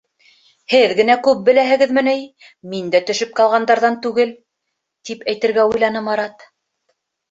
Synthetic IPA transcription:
hɘðɡɘ̆nækʉp̚bɘ̆læɦɘ̆ɡɘ̆ðmɘ̆nɘj | mind̪æt̪ɵ̆ʃɘp̚qɑlˠʁɑnd̪ɑɾðɑnt̪ʉɡɘl | t̪ipæjt̪ɘ̆ɾɡæujlˠɑnɤmɑɾɑt̪

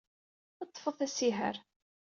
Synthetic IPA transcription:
ət̪ˤːfəθæsiɦə̰ɾ

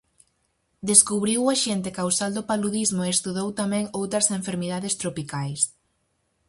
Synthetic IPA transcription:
d̪eskuβɾiwaʃent̪ɪkawsald̪opaluðizmʊeest̪uðowt̪amɛ̃ŋowt̪ɾɐseɱfeɾmiðaðɪst̪ɾopikajs

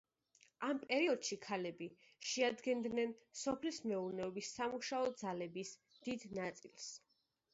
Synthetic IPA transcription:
ampʼɛɾiɔd̪̥ʃikʰalɛbi | ʃɛad̪ɡɛnd̪nɛnsɔpʰlismɛuɾnɛɔbisːamuʃaɔd̪zalɛbis | d̪̥id̪nat̪sʼilˠs

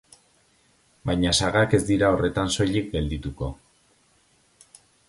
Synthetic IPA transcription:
bajɲasaɣake̞zd̪iɾao̞re̞t̪anso̞ʎikɡe̞ld̪it̪uko̞

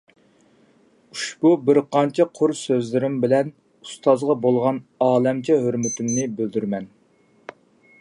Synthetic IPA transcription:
uʃbubɪɾqɑnt͡ʃʰɛqʰʊɾsøzlɪɾɪmbɪlɛn | u̥st̪ʰɑzʁɑbolˠʁɑnɑːlɛmt͡ʃʰɛɦøɾmyt̪ʰymnɪbøld̪yɾmɛn

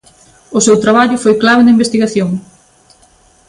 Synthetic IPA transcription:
ʊsewt̪ɾaβaʎʊfojklaβɪnɐimbest̪iɣaθjoŋ

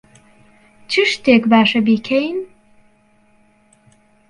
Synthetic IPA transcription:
t͡ʃʰɨʃt̪ʰeːkbaːʃɐbiːkʰejn

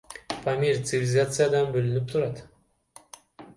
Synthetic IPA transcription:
famʲiɾʲt̪sɨvʲɪlʲɪzat̪sɨjad̪ɑnbølynyp̚t̪ʰuɾɑt̪

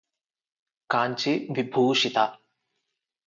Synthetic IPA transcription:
kaːɲt͡ʃiʋibʱuːʃit̪a

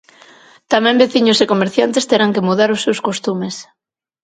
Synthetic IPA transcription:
t̪amɛ̃mbeθiɲʊsekomeɾθjant̪est̪eɾaŋkemuð̞aɾʊsːewskost̪umes

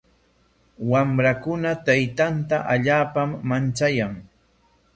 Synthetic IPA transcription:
wamɾakʊnat̪ajt̪ant̪aʔaʎaːpamːant͡ʃajaŋ

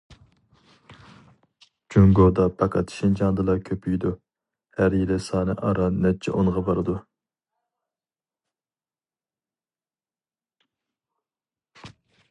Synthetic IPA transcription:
d͡ʒuŋɡod̪ɑpʰɑkʰɑt̪ʃind͡ʒɑnd̪ɨlˠɑkʲʰøpʰyjd̪u | hæɾjelɪsɑːnɨʔɑɾɑnɛt͡ʃʰɛ̰ʔoŋʁɑbɑɾɨd̪u

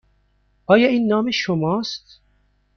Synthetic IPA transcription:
ʔɑːjɑʔinːɑːmeʃomɑːst̪

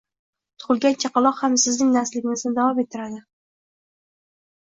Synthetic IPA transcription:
t̪ʰʊ̥ʁʊlˠɡʲant͡ʃʰɑqɑlˠɒqhamsɪznɪŋnaɾslɪɡʲɪnɪznɪd̪avɒmet̪ʰːɪɾad̪ɪ

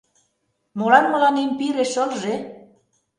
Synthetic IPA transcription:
molɑnmə̆lɑnimpiɾeʃəlʒe

